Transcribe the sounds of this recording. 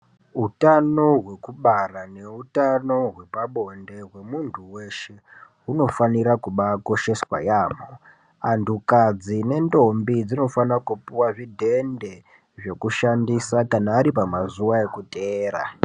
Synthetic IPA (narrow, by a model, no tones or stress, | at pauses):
ɦutano̞ɦwe̞kuɓarane̞utano̞ɦwe̞paɓo̞nde̞ɦwe̞muntʰuwe̞ʃe̞ɦuno̞faniɾakuɓako̞ʃe̞swa̰jaːmo | antukad͡zine̞ndo̞mbid͡zino̞fanakupuwaʐidʱe̞nde̞ | ʐe̞kuʃandisakanaːɾipamazuwae̞kuteːɾa̰